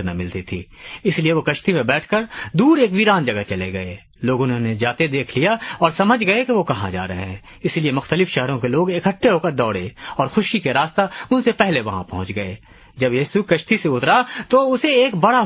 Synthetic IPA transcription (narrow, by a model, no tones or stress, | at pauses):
nɐ̰mɪlt̪it̪ʰḭːɪslieʋokɐʃt̪imẽbɛːʈʰkəɾd̪uːɾeːkʋiɾaːnd͡ʒɐɡat͡ʃɐleɡɐḛ | loːɡʊ̃nɦõned͡ʒaːt̪ed̪eːkʰlijaɔːɾsɐməd͡ʒʱɡɐekeʋokɐɦã̰d͡ʒa̰ːɾɐ̰ɦḛɦɛ̃ː | ɪsliemʊxt̪əlɪfʃɛɦɾõkeloːɡɪkəʈʰːeɦokəɾd̪ɔːɽeɔːɾxʊʃikeɾaːst̪aʊnsepɛɦleʋɐɦã̰pɐ̰ɦʊ̃t͡ʃɡɐḛː | d͡ʒɐbjiːsukɐʃt̪iseʊt̪ɾat̪oʊseeːkbɐɽa